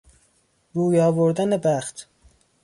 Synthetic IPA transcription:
ɾuːjɒːvoɾd̪ænebæxt̪ʰ

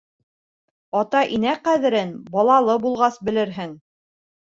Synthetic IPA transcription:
ɑt̪ɑʔinæqæðɘ̆ɾɘnbɑlˠɑlˠɤbulˠʁɑsbɘ̆lɘɾɦɘŋ

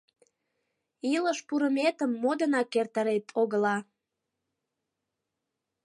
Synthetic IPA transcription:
iləʃpuɾəmet̪əmːod̪ənɑkːert̪əɾet̪ʰoɣəlɑ

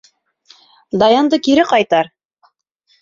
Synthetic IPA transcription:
d̪ɑjɑnd̪ɤkiɾɘqɑjt̪ɑɾ

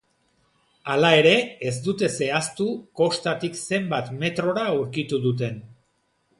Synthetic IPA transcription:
alae̞ɾe̞ezd̪ut̪e̞se̞ast̪uko̞st̪at̪ikse̞mbat̪me̞t̪ɾo̞ɾauɾkit̪uðut̪̬e̞n

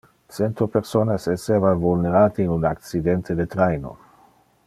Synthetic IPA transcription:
t͡sent̪opeɾsonasesevavulneɾaːt̪iːnunak̚t͡sid̪ent̪ʰed̪et̪ɾejno̰

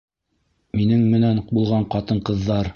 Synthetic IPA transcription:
minɘŋmɘ̆næɴbulˠʁɑɴqɑt̪ɤɴqɤ̆ðːɑɾ

